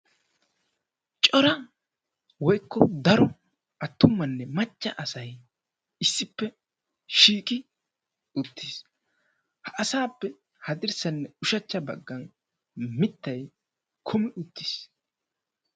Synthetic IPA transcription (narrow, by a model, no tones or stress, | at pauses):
t͡ʃʼɔɾɐ | wɔjkːɔd̪ɐɾɔ | ʔɐt̪ːʊmːɐnːɛmɐt͡ʃʼːɐʔɐsɐj | ɪsːɪpːɛ | ʃiːkʼɪ | ʊt̪ːiːs | hɐʔɐsaːpːɛ | hɐd̪ɪɾsɐnːɛʊʃɐt͡ʃːɐbɐɡːɐn | mɪt̪ːɐj | kʰʊmɪʔʊt̪ːɪ̥s